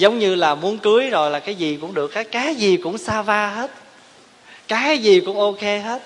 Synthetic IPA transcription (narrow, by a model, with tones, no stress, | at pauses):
zə˨˦wŋ͡mɲɨ˧laː˨˩mu˨˦ənkɨ˨˦əjzo˨˩jlaː˨˩kaː˨˦jzi˨˩kʊ˧˥ŋ͡mɗɨ˨˩ək̚heː˦˥t̚kaː˨˦jzi˨˩kʊ̰˧˥ŋ͡msaː˧vaː˧ɦe˦˥t̚ | kaː˨˦jkaː˨˦jzi˨˩kʊ̰˧˥ŋ͡mʔo˧ke˧ɦe˦˥t̚